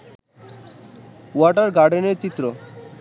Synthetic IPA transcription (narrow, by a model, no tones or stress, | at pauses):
waʈaɾɡaɖeneɾt͡ɕit̪ːɾo